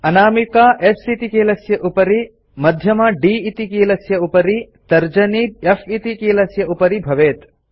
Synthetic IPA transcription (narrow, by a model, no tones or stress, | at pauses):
ɐnaːmikaːʔesit̪ikeːlɐsjɐʔupɐɾi | mɐd̪ʱjɐmɐɖiːit̪ikeːlɐsjɐupɐɾi | t̪ɐɾd͡ʒɐniefit̪ikeːlɐsjɐʔupɐɾibʱɐʋeːt̪